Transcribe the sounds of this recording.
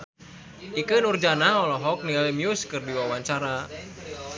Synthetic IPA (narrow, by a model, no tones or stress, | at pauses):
ʔikɨnurd͡ʒanaɔlɔɦɔk̚niɛlimiuskɨrdiwawaɲt͡ʃaɾa